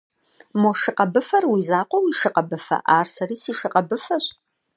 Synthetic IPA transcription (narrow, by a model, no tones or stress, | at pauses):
moʂɨqɐbɨfɐrwiːzaːqʷɔwiːʂɨqɐbɨfɐ̰ʔaːrsɐɾiːsiːʂɨqʼɐbɨfɐɕʼ